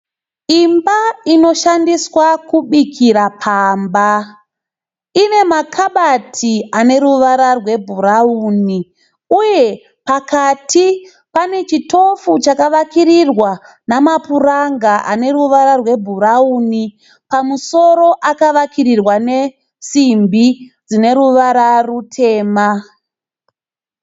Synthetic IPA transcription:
imbaino̞ʃandiswakuɓikʰiɾapʰaːmba | ine̞makʰaɓatʰiane̞ɾuʋaɾarwe̞bʱuɾauːni | uje̞ | pakatʰi | pane̞t͡ʃito̞fut͡ʃakaʋakiɾirwa | namapuraŋɡaʔane̞ɾuʋaɾarwe̞bʱuɾauni | pamuso̞ɾo̞ʔakaʋakiɾirwane̞ | simbid͡zine̞ɾuʋaɾarutʰe̞ːma

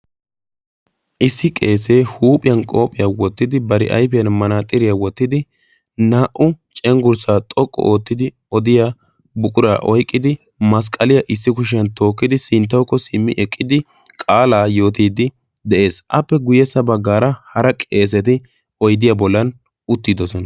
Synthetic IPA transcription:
ʔɪsːɪkʼe̞ːs̬e̞ːhuːpʼɪjɐnkʼo̞ːpʼɪjaːwɔt̪ːɪd̪ɪbɐɾɪʔɐ̰jfɛjɐnmɐnaːt̪ʼɪɾɪjawɔt̪ːɪd̪ɪ | naːʔʊt͡ʃʼɛŋɡʊɾsaːt̪ʼɔkʼːɔ̰ʔoːt̪ːɪd̪ɪ | ɔd̪ɪja | bʊkʼʊɾa̰ːʔɔjkʼːɪd̪ɪ | mɐs̬kʼɐlɪjɐʔɪsːɪkʊʃ̬ɐnt̪o̞ːkːɪd̪ɪsɪnt̪̬ːɐwkːɔsɪmːɪʔɛkʼːɪd̪ɪ | kʼaːlaːjo̞ːt̪iːd̪ɪ | d̪ɛʔe̞ːsʔɐpːɛɡʊjɛsɐbɐɡːaːɾɐhɐɾɐkʼe̞ːs̬ɛt̪ɪ | ɔjd̪ɪjaːbɔlːɐn | ʔʊt̪ːɪd̪ɔsɔnɐ

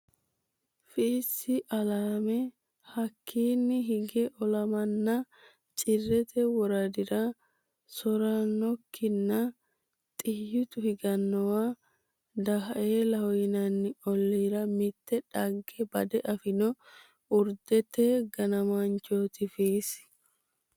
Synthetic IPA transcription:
fiːsːɪʔɐlaːmɛ | hɐkʰːiːnːɪɦɪɡɛʔɔlɐmɐnːɐ | t͡ʃʼɪrːɛt̪ɛwɔɾɐd̪ɪɾɐ | sɔɾɐnːɔkʰːɪnːɐ | t̪ʼɪjːɪt̪ʊhɪɡɐnːɔwaː | d̪ɐɦɐʔeːlɐhɔjɪnɐnːɪɔlːiːɾɐmɪt̪ːɛᶑɐɡːebɐd̪ɛʔɐfɪnɔ | ʊɾd̪ɛt̪eːɡɐnɐmant͡ʃoːt̪ɪfiːsɪ̥

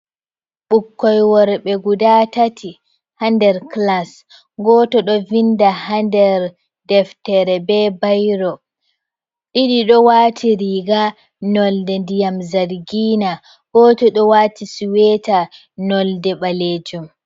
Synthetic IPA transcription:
ɓukːɔjwɔɾɓɛɡudatatʰi | handɛɾklas | ɡɔːtɔɗɔvindahandɛɾ | dɛftɛɾɛbɛbajɾɔ | ɗiɗiɗɔwaːtʰiɾiɡa | nɔldɛndijamzaɾɡiːna | ɡ̥ɔːtɔɗɔwaːtisuwɛta | nɔldɛɓaled͡ʒum

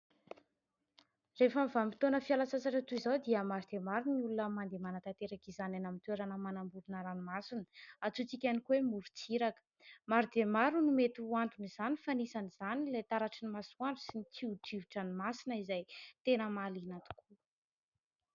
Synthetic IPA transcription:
refəmivamit̪onəfialasasaʈ͡ʂat̪uizawd̪iəmaɾud̪emaɾuniulunəmand̪emanət̪at̪eɾakizananamit̪ueɾanəmanambuɾunəɾanimasinə̥at͡sut͡sikʲanikuwemuɾut͡siɾakə̥maɾid̪emaɾunumet̪uant̪unizanifanisaniz̥anilet̪aɾaʈ͡ʂinimasuaɳɖ͡ʐsinit͡siuʈ͡ʂiviʈ͡ʂanimasinəizajt̪enəmalinat̪u̥kʰu

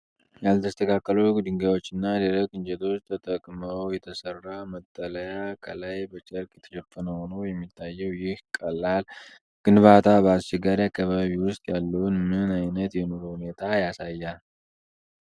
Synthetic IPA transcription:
jalt̪ʰəst̪ʰəkʰakːələɡd̪ɨŋɡawo̞t͡ʃːɪnːaleɾəkʼɨnd͡ʒɛt̪ʰo̞t͡ʃːt̪ʰət̪ʼəkʼməwjɛt̪ʰəsərːamət̪ʼːələjakʰəlajbət͡ʃʼəɾkʼjɛt̪ʰəʃɛfːənəho̞nəwjɛmːit̪ʰːajːɛwjɪhkʼəlːal | ɡ̥ɨnβat̪ʰabəast͡ʃɛɡaɾjakːaβaβiwʊst̪ʼjalːəwnmɨnajnət̪jɛno̞ɾohune̞t̪ʰajasajːal

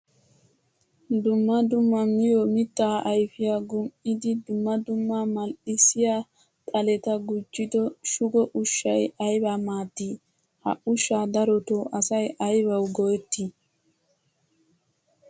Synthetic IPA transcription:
d̪ʊmːɐd̪ʊmːɐmɪjɔmɪt̪ːaːʔɐjfɪjaɡʊmʔɪd̪ɪd̪ʊmːɐd̪ʊmːamɐlʔɪsɪjaː | t̪ʼɐlɛt̪ɐɡʊd͡ʒːɪd̪ɔʃʊɡɔʔʊʃːɐjɐjbamaːt̪ːiː | hɐ̰ʔʊʃːaːd̪ɐɾɔt̪oːʔɐsɐjɐjbɐwɡɔjɛt̪ːi

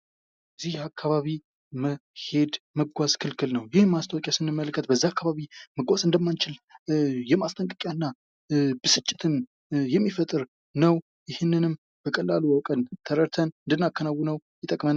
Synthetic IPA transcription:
zihakʰːaβaβi | məhe̞d̪məɡʷazkʰɨlkʰɨlnəwjɪhmːast̪ʰəwɔkʼjasɨnːɨmːələkʰːət̪̚bəzːaakːaβaβiməɡʷazɨnd̪əmːant͡ʃɪljɛmast̪ʰʼəŋkʼəkʼjanːa | bəsɨt͡ʃʼːɪt̪ʰɨn | jɛmːifət̪ʼɨɾ | nəw | jɪhɪnːɨnɨm | b̥əkʼəlːaluwɔkʼənt̪ʰəɾəɾt̪ʰənɨnd̪ɨnːakːənawːunəwjɛt̪ʼəkʼmən

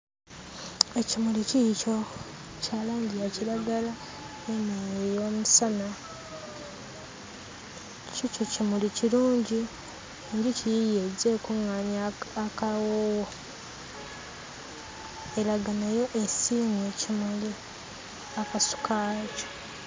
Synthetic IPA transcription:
e̞cimulicico̞ | caːlaːɲɟijaciɾaɡala | enejo̞musana | cicocimuliciɾuːɲɟi | ɲɟicijijeze̞kuŋaɲaːkawowo | eɾaɡanajo̞ʔesime̞cimuli | akasu̥kʰaːco̥

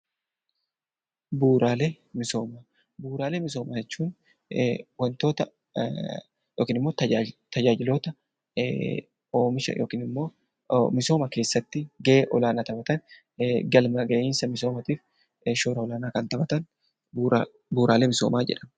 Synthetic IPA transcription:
buːɾaːle | mɪso̞ːmaː | buːɾaːlemɪso̞ːmad͡ʒɛt͡ʃːuːn | wɐnt̪o̞ːt̪ɐ | jo̞ːkiːnɪmːo̞ːt̪ɐt̪ɐd͡ʒaːd͡ʒɪlo̞ːt̪ɐ | oːmɪʃɐ̰joːkiːnɪmːo̞ː | mɪso̞ːmɐke̞ːsːɐt̪ːɪɡɐʔeːʔɔlaːnaːt̪ɐbɐt̪ɐn | ɡɐlmɐɡɐʔɪːnsɐmɪso̞ːmɐt̪iːf | ʃoːɾɐɔlaːnaːkɐnt̪ɐbɐt̪ɐn | b | buːɾaːlemɪso̞̰ːmaːd͡ʒɛ̰ᶑɐm

